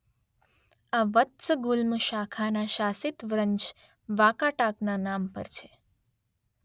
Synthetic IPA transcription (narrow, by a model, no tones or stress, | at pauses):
aʋət̪səɡulməʃakʰanaʃasit̪ʋɾəɲt͡ʃ | ʋakaʈaknanampə̰ɾt͡ʃʰe